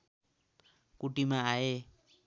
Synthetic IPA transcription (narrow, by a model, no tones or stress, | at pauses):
kuʈimaae